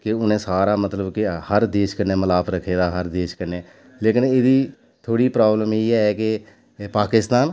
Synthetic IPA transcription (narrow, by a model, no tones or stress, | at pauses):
kɪʊnẽːsaːɾaːmət̪ləbkɪhəɾd̪eːʃkəɾnẽːməlaːpʰɾəkʰːeːd̪aːɦəɾd̪eːʃkəɾneː | leːkɪneːd̪iː | t̪ʰoːɽiːpɾaːbləmiːɛːkɪ | paːkɪst̪aːn